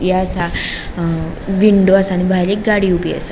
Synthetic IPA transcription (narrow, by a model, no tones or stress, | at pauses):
jeasa | ʋiɳɖoasaːɽ̃ibʱajlekɡaɽiubia̰sa